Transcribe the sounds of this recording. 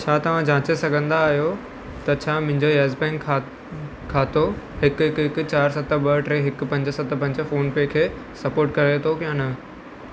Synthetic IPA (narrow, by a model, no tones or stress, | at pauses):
t͡ɕʰaːt̪ɐʋ̤ãd͡ʑãːt͡ɕesɐɡʱə̃nd̪aːɦijo | t̪ɐt͡ɕʰaːmʊ̃ɦɪ̃ɲd͡ʑoeːzpɛ̃ːŋkʰ | kʰːaːt̪o | ɦɪkɦɪkɦɪkʊt͡ɕaːɾsɐt̪̆ʰɓɐʈɾeːɦɪkpɐ̃ɲd͡ʑsɐt̪ʰpɐ̃ɲd͡ʑfoːnpekʰeː | sɐpoːɾʈkɐɾet̪ʰokijãnɐ